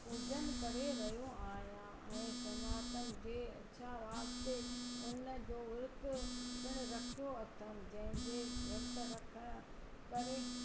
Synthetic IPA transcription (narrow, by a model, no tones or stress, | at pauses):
ʊd͡ʑən̆kɐɾeɾɐjoaːɦjã | ɛ̃ːsɐɲaːt̪ənɪ̆d͡ʑeːɐ̰ɕʰaʋaːbseʊnə̆d͡ʑoːʋʊɾk̪ʊkəɽ̃ɾɐkʰoɐt̪ʰəmd͡ʑɐ̃ɦɪ̃nbeʋɐɾt̪əɾɐkʰəɽ̃ʊ̆ | kɐɾe